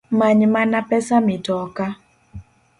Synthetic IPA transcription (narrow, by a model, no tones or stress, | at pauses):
maɲmanapɛsamɪdɔka